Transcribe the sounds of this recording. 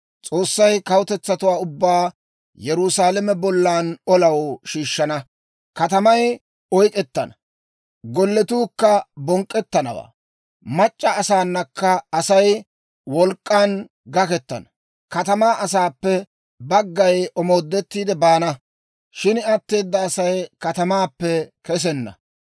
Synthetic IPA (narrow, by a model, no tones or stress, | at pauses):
t͡sʼo̞ːsːɐjkɐwʊt̪ɛt͡sːɐt̪ʊwaːʊbːaː | jɛɾʊsaːlɛmɛbɔlːaːnɔlɐwʃiːʃːɐnɐ | kɐt̪ɐmɐj | ɔjkʼɛt̪ːɐ̰nɐ | ɡɔlːɛt̪uːkːɐbɔŋkʼːɛt̪ːɐnɐ̰wa̰ː | mɐt͡ʃʼːɐːsaːnːɐkːɐːsɐj | wɔlkʼːaːn | ɡɐkɛt̪ːɐ̰nɐ | kɐt̪ɐmaːʔɐsaːpːɛ | bɐɡːɐjʔɔmo̞ːd̪ːɛt̪ːiːd̪ɛbaːnɐ | ʃɪnɐt̪ːe̞ːd̪ːɐːsɐjkɐt̪ɐmaːpːɛkɛs̬ɛnːɐ̰